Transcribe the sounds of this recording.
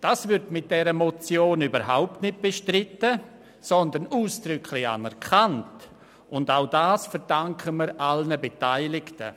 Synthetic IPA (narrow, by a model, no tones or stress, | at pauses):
d̥aːsvʏɾtmɪt̚d̥ɛɾəmɔt͡sjoːnyːbəɾɦaʊp̚tnɪt̚b̥eʃtɾɪtə | sɔndənuːsd̥ɾʏkʰlɪça̰nɛɾkʰant | ʊndaʊdaːsfɛɾd̥aŋkʰəməɾʔalnəbetaɪlɪktə̰